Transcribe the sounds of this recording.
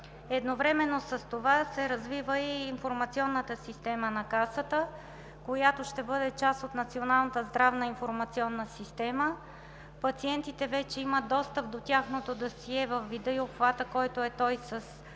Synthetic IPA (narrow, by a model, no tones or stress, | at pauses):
ɛd̪novɾɛmɛnːosəst̪ovasɛɾɐzvivəiːnfoɾmɐt̪siɔnːət̪əsist̪ɛmənɐkasət̪ə | kojat̪oʃt̪ɛbɤd̪ɛt͡ʃasot̪nɐt̪sionalˠnət̪əzd̪ɾavnəinfoɾmɐt̪siɔnːəsist̪ɛmə | pɐt̪siɛnt̪it̪ɛvɛt͡ʃɛiməd̪ɔst̪əp̚d̪ot̪ʲjaxnot̪od̪ɐsiɛvəfːid̪ɤiopxvat̪əkɔjt̪oɛt̪ɔjsəs